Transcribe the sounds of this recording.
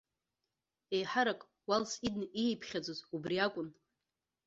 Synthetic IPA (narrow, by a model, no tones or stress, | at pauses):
e̞jħaɾakʼ | walsidnijpʰχʲad͡zozubriakʷʼʊn